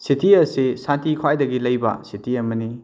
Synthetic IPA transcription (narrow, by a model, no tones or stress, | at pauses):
sitiɐsisantikʰwajdɐɡilɐjbɐ̰sitiɐmɐni